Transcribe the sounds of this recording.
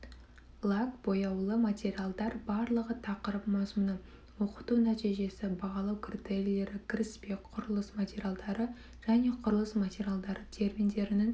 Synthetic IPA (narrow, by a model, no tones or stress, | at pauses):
lˠakbo̞jɑwlˠəmat̪ʲe̞ɾʲijalˠd̪ɑɾbɑɾlˠəʁət̪ʰɑqəɾəpmɑzmunə | wo̞qə̥t̪unæt̪iʒe̞sɪbɑʁɑlˠɑwkʲʰrʲit̪ellːe̞ɾɪkʲʰɪɾɪspe̞kqʰʊɾəlˠəsmat̪ʲeɾʲjalˠd̪ɑɾə | ʒ̥æne̞qʰʊɾəlˠəsmat̪ʲeɾʲjalˠd̪ɑɾət̪ʰe̞rmijnd̪e̞ɾɪnɪŋ